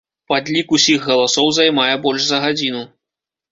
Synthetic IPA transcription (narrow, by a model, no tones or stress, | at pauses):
pad̪lʲikusʲiɣɣɐlˠasɔwzajmajɛbɔlʲʂzɐɣad͡zʲinu